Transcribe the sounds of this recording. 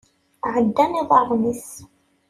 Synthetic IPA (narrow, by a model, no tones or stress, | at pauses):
ʕəd̪ːæniðˤɑðˤmis